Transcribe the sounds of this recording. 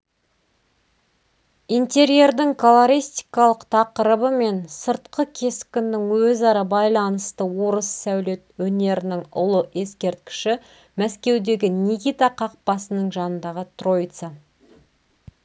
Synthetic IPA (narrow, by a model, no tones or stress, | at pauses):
ijnt̪e̞ɾje̞rd̪ɪŋkʰolˠoɾijst̪i̥kɑlˠəqt̪ʰɑqəɾəbəme̞nsəɾt̪qʰəkʲʰe̞skʲɪnːɪŋwɵzɑɾɑbɑjlˠɑnəst̪əwo̞ɾəsːæwle̞t̪wɵne̞ɾɪnɪŋʊ̰lˠəʔe̞skʲe̞ɾt̪̚kʲɪ̥ʃɪ | mæskʲe̞wd̪e̞ɡʲɪnʲikʲit̪aqʰɑq̚pɑsənəɴʒɑnənd̪ɑʁət̪ro̞jt̪sə